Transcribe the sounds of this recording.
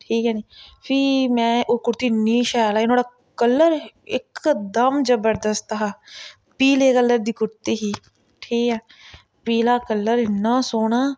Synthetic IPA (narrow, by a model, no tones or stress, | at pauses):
ʈʰiːkɛːniːpʰiːmɛ̃ːʔoːkʊɾt̪iːniːʃaːlaːɪnoːɽa | kəlːəɾɪkd̪əmd͡ʒəbəɾd̪əst̪ɦaː | piːleːkəlːəɾd̪iːkʊɾt̪iːɦiː | ʈʰiːkɛː | piːlaːkəlːəɾnaːsoːɽaː